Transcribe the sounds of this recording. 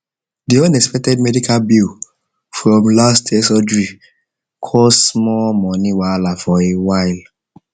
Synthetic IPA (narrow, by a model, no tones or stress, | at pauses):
diɔ̃nɛkspɛk̚tɛd̚mɛdikalbil | fɹɔ̃mlastʰɛsɔdɹi | kʰɔssmɔlmɔniwalafɔewaɪl